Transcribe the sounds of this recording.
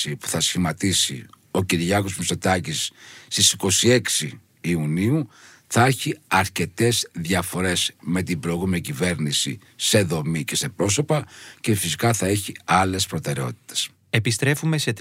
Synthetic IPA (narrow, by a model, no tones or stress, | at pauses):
ipu̥θɐsçimɐt̪isḭ | o̞ciɾʝɐɣo̞zmusot̪ɐcisːt̪isi̥ko̞sie̞ksiː | uniu | θɐeçiɐɾce̞t̪e̞zðʝɐfo̞ɾe̞zme̞t̪ibɾoiɣumeɐcive̞ɾnisḭ | se̞ðo̞mice̞se̞pɾo̞so̞pɐce̞fisikɐθɐe̞çiɐle̞spɾo̞t̪e̞ɾe̞o̞̰t̪i̥t̪e̥s | epist̪ɾe̞fume̞se̞t̪